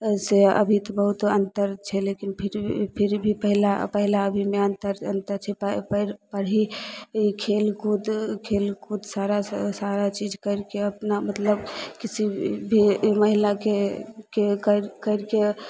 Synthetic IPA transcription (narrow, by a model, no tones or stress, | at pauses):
seə̰bʱit̪bəɦut̪ənt̪əɾt͡ʃʰɛlekinpʰiɾpʰiɾbʱipəɦilapəɦilaəbʱimeənt̪əɾənt̪əɾt͡ʃʰɛppəɾpəɽɦiikʰelkud̪kʰelkʰud̪saɾasaɾat͡ʃid͡ʒkəɪɾkeəpnamət̪ləbkisibʱiməɦilakekekəɾkəɾke